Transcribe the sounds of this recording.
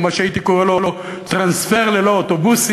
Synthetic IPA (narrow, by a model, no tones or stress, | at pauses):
maʃeait̪ikoʁelolo̞ | t̪ʁansfeʁleloot̪obus